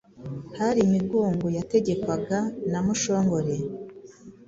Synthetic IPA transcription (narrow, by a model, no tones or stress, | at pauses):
haɾiːmiɡoːŋɡojate̞ɟe̞kwaɡanamuʃo̞ːŋɡo̞ɾe̞